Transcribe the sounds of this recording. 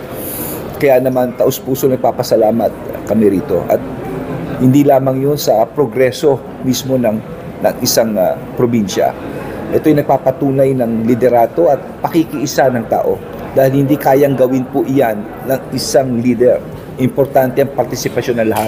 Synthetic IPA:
kɐjanɐmant̪ɐʔospuːsonɐɡ̚paːpɐsɐlaːmɐt̪̚kɐmɛɾiːt̪o̞̰ʔɐ̰t̪̚hɪnd̪ilaːmɐŋjonsɐpɾoɡɾɛso̞ | mismo̞nɐŋ | nɐŋɪsaŋ | pɾobinʃɐ̰ | ʔɛt̪ojnɐɡ̚paːpɐt̪uːnɐjnɐŋlɪd̪ɛɾaːt̪o̞ʔɐt̪̚pɐkikɪʔɪsanɐŋt̪a̰ːʔo̞̰ | d̪aːhɪlhɪnd̪iːkaːjɐŋɡɐwɪnpʊʔɪjanːɐŋʔɪsaŋliːd̪ɛɾ | ʔɪmpoɾt̪ant̪ɛʔɐŋpɐɾt̪ɪsɪpɐʃo̞nɐŋlɐhat̪̚

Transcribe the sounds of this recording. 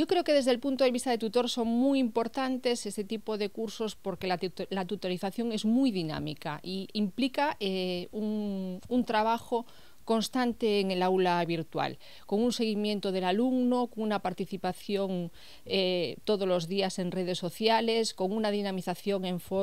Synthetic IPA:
jokɾe̞okeðe̞zðelpunt̪oð̞eβist̪aðet̪ut̪o̞ɾso̞ŋmujimpo̞ɾt̪ant̪e̞sest̪et̪ipoðe̞kuɾso̞spo̞ɾkelalat̪ut̪oɾiθaθjo̞ŋe̞zmujðina̰mḭka̰ʔiimplikaeuŋunt̪ɾaβaxo | ko̞nst̪ant̪eːŋelaulaβ̞iɾt̪wa̰l | ko̞ŋunse̞ɣ̞imje̞nt̪oð̞e̞laluɡnokoŋunapaɾt̪iθipaθjo̞ŋ | et̪oð̞ozlo̞zðiase̞nreð̞e̞sːo̞θjalesko̞ŋunaðinamiθaθjo̞ŋẽ̞ɱfo

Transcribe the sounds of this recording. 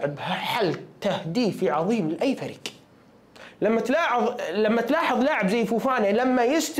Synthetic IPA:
ɪbhaħalt̪ahd̪iːfiʕɑðˤiːmɪlʔajːfaɾik | lamːat̪lɑːħɑðˤlamːat̪lɑːħɑðˤlaːʕɪbzajːfuːfaːnalamːajɪst̪

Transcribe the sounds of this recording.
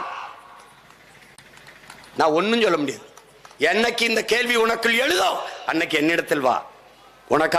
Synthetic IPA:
nãːɔnːɯmsɔlːɐmʊɽɪjɐðɯ | ɛnːɐkːɯɪnd̪ɐkeːlʋiʊɳɐkːɯlɛɻɯðoːɐnːɐkːɯɛnːɪɽɐt̪ːɪlʋa̰ː | ʔʊnɐkːa

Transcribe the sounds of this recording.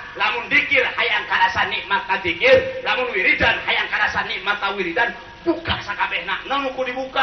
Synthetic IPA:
lamʊndikɪrhajaŋkaɾasaniʔmart̪ad̪ikɪrlamʊnwiɾidanhajaŋkaɾasaniʔmart̪awiɾidan | b̥ukaʔsakabɛhna̰ʔnəmukudibuka

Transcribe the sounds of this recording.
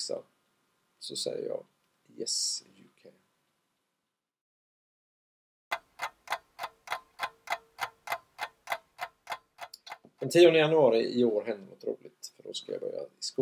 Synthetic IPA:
sa̰ | sɔsɛjːə̰jɑ̰ː | jɛsjʉkʰɛ | d̪̥ɛnt̪ʰiːɔnd̪əjanɵɑːɾɪʔɪoːɾɦɛnd̪ənɔt̪ɾo̰ːlɪt̪fœɖɔskajɑ̰bœɾjaɪsku

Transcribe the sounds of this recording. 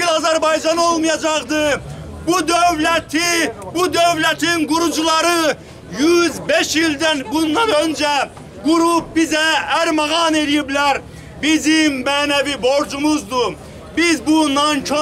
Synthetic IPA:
ilɑzæɾbɑjd͡ʒɑnolˠmɑjɑd͡ʒɑqd̪ɨbud̪øwlɛt̪ʰɪbud̪øwlæt̪ʰɪnɡuɾud͡ʒulˠɑɾɯ | jyzbeʃjild̪ænbund̪ɑnønd͡ʒɛ | ɡuɾup̚bizɛæɾmɑʁɑneɾjiblæɾ | bizɪmmænæviboɾd͡ʒumʊzd̪ʊ | bɪzbunɑnt͡ʃʰo

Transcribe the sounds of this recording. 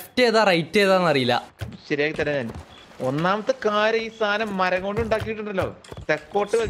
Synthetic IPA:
tːeːðarɐjtːeːðaːnːɐrijilːɐ̰ɕɐɾijaːkɨt̪ːɐlːɐɲaːn | onːaːmɐt̪ːɨkaːɾɐiːst̪ʰaːnɐmːɐɾɐŋoːɳɖiuɳɖaːkːijiʈːuɳɖɐlːo̞̰ːt̪ekːo̞ːʈːɨʋɐ

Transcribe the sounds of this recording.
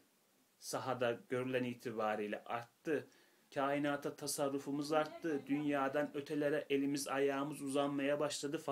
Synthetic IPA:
saɦad̪aɟø̞ɾylʲæniːt̪ʰibaːɾijlʲɛ̰ʔaɾt̪ːɯ | cʰaːinaːt̪ʰat̪ʰasaɾːufumɯzaɾt̪ːɯd̪ynjaːd̪anø̞t̪ʰe̞lʲe̞ɾɛʔelʲimizajaːmɯzuzanmajabaʃlˠad̪ɯf

